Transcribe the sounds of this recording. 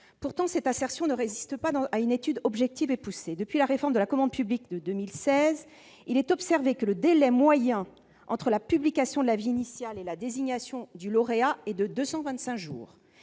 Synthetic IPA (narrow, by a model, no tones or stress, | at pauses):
puʁt̪ɑ̃sɛt̪asɛʁsjɔ̃nəʁezist̪əpãaynet̪yd̪ɔbʒɛk̚t̪ivepused̪əpɥilaʁefɔʁmd̪əlakɔmɑ̃d̪̚pyblikd̪əd̪ømilsɛz | ilɛt̪ɔpsɛʁvekələd̪elɛmwajɛ̃ | ʔɑ̃t̪χəlapyblikasjɔ̃d̪əlaviːnisjalelad̪eziɲasjɔ̃d̪ylɔʁeaɛd̪əd̪øsɑ̃vɛ̃t̪sɛ̃kʒṵːʁ